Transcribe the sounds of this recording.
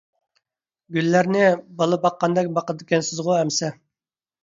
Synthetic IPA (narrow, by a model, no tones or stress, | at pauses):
ɡʲylːæɾnɪbɑlˠəbɑqːɑnd̪ɛk̚ʲbɑqəd̪ɪkʲɛnsɪzʁʊɛmsɛ